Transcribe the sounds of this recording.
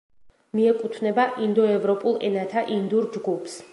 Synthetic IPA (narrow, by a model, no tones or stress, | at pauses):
miɛkʼut̪ʰnɛbaʔind̪ɔɛvɾɔpʼulˠɛ̰nat̪ʰaʔind̪uɾd͡ʒɡupʰs